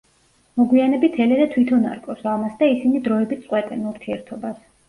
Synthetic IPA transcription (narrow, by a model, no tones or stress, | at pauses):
mɔɡwianɛbit̪ʰɛlɛd̪at̪ʰwit̪ʰɔna̰ɾkʼɔsamasd̪aisinid̪ɾɔɛbit̪sʼqʼwɛt̪ʼɛnuɾt̪ʰiɛɾt̪ʰɔbas